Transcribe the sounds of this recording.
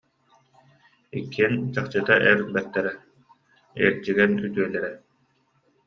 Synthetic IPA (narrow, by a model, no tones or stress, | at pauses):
ikːiɛnt͡ɕaχt͡ɕɯt̪aʔɛɾbɛt̪ːɛɾɛ | ɛ̰ːɾd͡ʑiɡɛnyt̪yœlɛɾɛ